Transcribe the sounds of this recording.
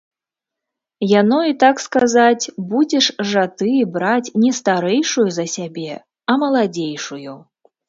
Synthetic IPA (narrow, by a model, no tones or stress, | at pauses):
janɔit̪akskazat͡sʲbud͡zʲɛʂʐat̪ɨbɾat͡sʲnʲɛst̪aɾɛjʂujuzɐsʲabʲɛ | ɐmɐlˠad͡zʲejʂuju